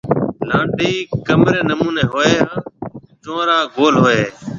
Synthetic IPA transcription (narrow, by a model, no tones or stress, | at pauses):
lãːɖiːkəmɾeːnəmuːneːɦoːeːɦãː | t͡ʃõːɾãːɡoːlɦoːeː